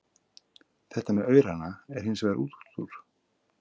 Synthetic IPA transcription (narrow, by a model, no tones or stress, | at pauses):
θɛht̪amɛðœːɥɾanaɛɾ̥hɪnsvɛːɣðaʔuːt̪u̥t̪uɾ̥